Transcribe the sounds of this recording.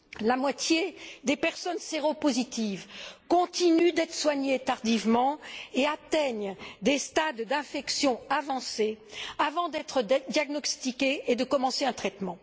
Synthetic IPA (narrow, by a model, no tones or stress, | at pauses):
lamwat̪jed̪epɛʁsɔnseʁopozit̪ivkɔ̃t̪inyd̪ɛt̪χə̥swaɲet̪aʁd̪ivmɑ̃eat̪ɛɲd̪est̪ad̪d̪ɛ̃fɛksjɔ̃avɑ̃seavɑ̃d̪ɛt̪χəd̪jaɡnɔst̪ikʲeːd̪əkɔmɑ̃seɛ̃t̪χɛt̪mɑ̃